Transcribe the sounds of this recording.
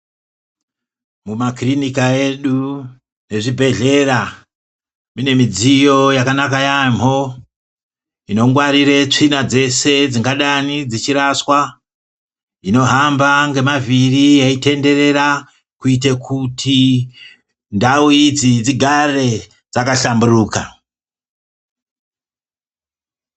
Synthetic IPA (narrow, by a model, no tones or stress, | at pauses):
mumakrinikae̞ɗu | ne̞ʐibʱe̞ɮe̞ra | mine̞mid͡zijo̞jakanakajam̤o̞ | ino̞ŋɡwaɾiret͡ʂinad͡ze̞se̞d͡ziŋɡaɗanid͡zit͡ʃiɾaswa | ino̞ɦambaŋɡe̞mavirijeite̞nde̞re̞ra | kuitekʰutʰi | ndauid͡zid͡ziɡʱare̞ | d͡zakaɬamburuːka̰